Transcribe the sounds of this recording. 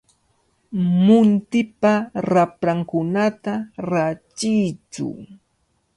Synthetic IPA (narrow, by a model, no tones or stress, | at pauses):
mʊnt̪ɪpaɾapɾaŋkʊnat̪aɾat͡ʃɪjt͡ʃʊ̰